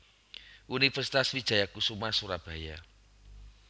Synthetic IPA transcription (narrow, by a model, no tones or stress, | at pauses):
ʔunifɛrsit̪aswid̥ʒ̥a̤jakusumasuɾab̥a̤ja